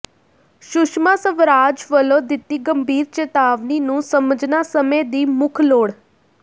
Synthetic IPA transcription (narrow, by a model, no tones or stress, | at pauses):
ʃʊʃmasəʋɾaːd͡ʒʋəlõːd̪ɪt̪ːiːɡəmbiːɾt͡ʃeːt̪aːʋniːnũːsəməd͡ʒnaːsəmed̪iːmʊkʰloːɽ